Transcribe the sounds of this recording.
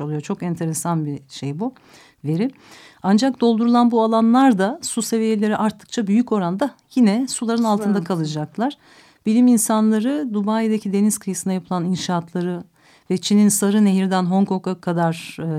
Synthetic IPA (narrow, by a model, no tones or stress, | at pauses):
olˠujo̞t͡ʃʰo̞kɛnt̪ʰe̞ɾesanbiʃe̞jbu | ve̞ɾi | and͡ʒak̚d̪o̞lˠd̪uɾulˠanbualˠanlˠaɾd̪asuse̞vije̞lʲe̞ɾiʔaɾt̪ʰːɯ̥k̚t͡ʃʰabyjyco̞ɾand̪ajinɛsulˠaɾɯnalˠt̪ʰɯnd̪akʰalˠɯd͡ʒaklˠaɾ̥ | bilʲiminsanlˠaɾɯd̪ubajd̪acʰid̪e̞niz̥kʰɯjɯsɯnajapʰɯlˠaninʃaːt̪ʰlˠaɾɯ | vɛt͡ʃʰininsaɾɯne̞ɦiɾd̪ænɦo̞ŋkʰo̞kakʰad̪aɾ̥